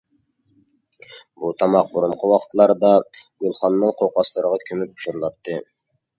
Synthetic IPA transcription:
but̪ʰɑmɑq̚buɾuɴqʰəwɑqʰət̪lˠɑɾd̪ɑɡʲølˠχɑnːɨŋqʰowqʰɑslˠəɾəʁɑkʲʰymyp̚bu̥ʃuɾlˠɑt̪ʰːɨ

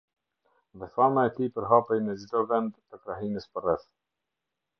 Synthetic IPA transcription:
ðɛθamaɛt̪ipəɾɦapɛjmɛzid̪ɔvɛnd̪ːəkɾaɦinəspərɛθ

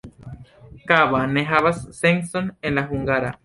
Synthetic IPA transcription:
kaβaneɦaβasːeŋsonenlaɦuŋɡaɾa̰

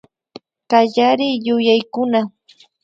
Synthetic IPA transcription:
kaʎaɾɪjʊjajkʊna

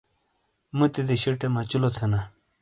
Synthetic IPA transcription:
mut̪id̪eɕiʈemat͡ɕulot̪ʰɐna

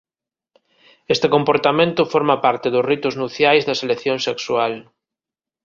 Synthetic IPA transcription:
est̪ekõmpoɾt̪amẽnt̪ʊfoɾmapaɾt̪ɪðʊzrit̪ʊznuθjajzðɐselekθjõŋseksual

